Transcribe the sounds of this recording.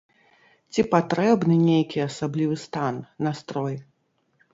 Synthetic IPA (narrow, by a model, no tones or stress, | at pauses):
t͡sʲipat̪ɾɛbnɨnʲejkʲiasablʲivɨst̪anːast̪ɾɔj